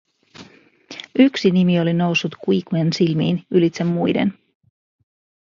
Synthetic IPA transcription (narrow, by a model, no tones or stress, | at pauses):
yksinimio̞lino̞wsːut̪kuikuensilmḭːnylit̪semːujde̞̰n